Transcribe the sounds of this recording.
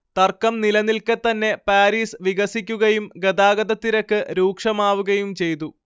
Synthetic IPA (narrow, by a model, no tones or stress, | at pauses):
t̪ɐrkːɐmnilɐnːilkɨt̪ːɐnːe̞paːɾiːsʋiɣɐsikʲːuɣɐjumɡɐd̪aːɡɐd̪ɐt̪ːiɾɐkːɨɾuːkʂɐmaːʋuɣɐjumt͡ɕe̞jt̪̬u